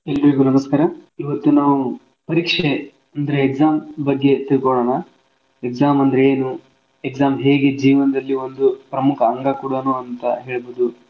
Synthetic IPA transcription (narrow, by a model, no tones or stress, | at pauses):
elːɐɾiɡunɐmɐskaːɾɐiʋɐt̪ːunaːʋu | pɐɾiːkʂe | ɐnd̪ɐɾeːkzaːmbɐɡːe̞t̪ilkɔɭoːɳɐ | ekzaːmɐnd̪ɐɾeeːnu | ekzaːmɦeːɡe̞d͡ʒiːʋɐnɐd̪ɐlːio̞nd̪upɾɐmukʰɐːŋɡakuːɽɐnuɐnt̪ɐɦeːɭboːd̪u